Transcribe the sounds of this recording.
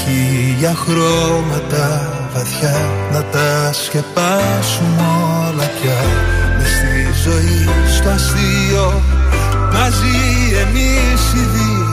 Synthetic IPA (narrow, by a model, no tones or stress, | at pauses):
iʝɐxɾo̞mɐt̪ɐ | vɐθçɐnɐt̪ɐsce̞pɐsumolɐçɐmest̪izo̞ist̪oɐsio | mɐzi | e̞mi | siði